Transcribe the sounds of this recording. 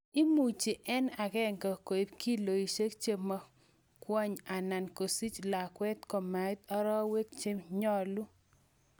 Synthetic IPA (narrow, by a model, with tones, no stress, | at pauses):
ɪ˦mu˨t͡ʃe˨ʔɛ˦na˨kɛ˦ŋka˨ko˨i˦pki˦lo˨i˨ʃe˦k̚t͡ʃe˦ma˨ | kwɔ˦ɲa˨na˨nko˨si˦t͡ʃla˨kwɛ˦t̪kɔ˨ma˨ɪ˦t̪ɔ˦ɾɔ˦we˦k̚t͡ʃe˦mɲɔ˦lu˦